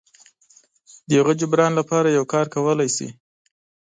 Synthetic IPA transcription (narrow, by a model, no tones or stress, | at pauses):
d̪əjaɣəd͡ʒʊbɾɑnlapɑɾajawkɑɾkawəlajsḭ